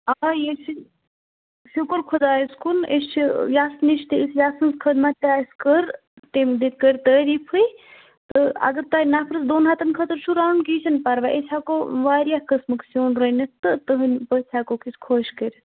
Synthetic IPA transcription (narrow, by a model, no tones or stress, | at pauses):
ajesi | ʃukəɾkʰod̪aːjiskunist͡ʃʰijaːsniʃt̪iisjaːsɐnskʰəd̪mat̪ʲaːskəɾ | t̪emd̪it̪̚kəɾʲt̪əːɾipʰɨj | t̪ɨɐ̰ɡɐɾt̪anaːpʰɾɨsd̪oːnɦaːt̪ɐnkʰət̪ɾt͡ʃʰuɾaːnkit͡ʃʰɐnpɐɾʋaʔesʲʰaːkoːʋaːɾjakəsmɨksoːnɾənʲɐst̪ɨt̪əɦɨnʲpət͡sʲʰaːkokiskʰoːʃkəɾʲ